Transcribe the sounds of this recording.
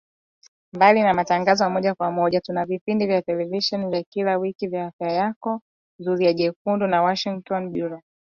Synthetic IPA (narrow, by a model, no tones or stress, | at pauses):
mbalinamataŋɡazɔmɔʄakwamɔʄatunavipindivjatɛlɛviʃɔnivjakilawikivjaːfjajakɔ | zuɾiaʄɛk̚undunawaʃiŋtɔnɓuɾɔ